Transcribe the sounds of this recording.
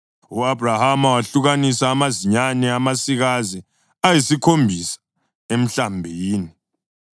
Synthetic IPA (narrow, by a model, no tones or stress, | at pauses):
uabrahamawaɬuɣanisaːmaziɲanɛamasiɣazi | ajisikʰombʱisḁ | em̩ɬambʱiːni